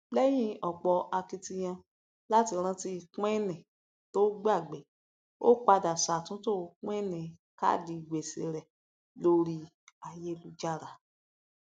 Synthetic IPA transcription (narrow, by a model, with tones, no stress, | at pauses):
bɛ˦j̃ĩ˦˨ɔ˨k͡pɔ˨ʔa˧kĩ˧ti˧j̃ã˧ | la˦ti˧ɾ̃ã˧ti˧kɛ˦nɛ̃˨ | to˦ɡ͡ba˦˨ɡ͡bɛ˨ | o˦k͡pa˧da˨sa˨tũ˨˦to˦˨˧kɛ˦nɛ̃˨ | ka̰˦˨di˧˨ɡ͡be˨sḭ˨ɾɛ˨ | lo˧ɾi˧ | a˨je˦lu˧d͡ʒa˦˨ɾa˨